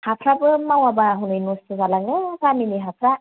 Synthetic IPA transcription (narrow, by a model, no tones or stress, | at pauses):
hapʰɾabɯmawabaɦunɯjnustʰɯzalaŋɯpʰaniniɦapʰɾa